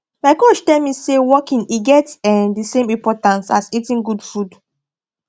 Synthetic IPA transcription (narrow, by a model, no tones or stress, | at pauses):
maɪkot͡ʃtɛlmisewɔkĩniɡɛtɛdisẽmĩmpɔtãnsa̰sitĩnɡudfud